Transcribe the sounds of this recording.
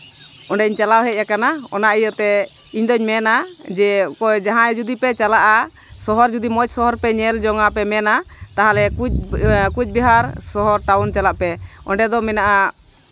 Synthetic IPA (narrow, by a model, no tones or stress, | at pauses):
ɔɳɖɛiɲt͡ʃalawɦɛjakanaɔ̰naʔijɔt̪ɛ | iɲd̪ɔɲmɛnad͡ʒɛkɔd͡ʒaɦãɛd͡ʒud̪ipɛt͡ʃalaʔa | sɔɦɔɾd͡ʒud̪imɔt͡ʃ̚sɔɦɔɾpɛɲɛld͡ʒɔŋapɛmɛnat̪aɦalɛkukuc̚ˀbiɦaɾsɔɦɔɾʈawnt͡ʃalaʔpɛɔ̰ɳɖɛd̪ɔmɛnaʔa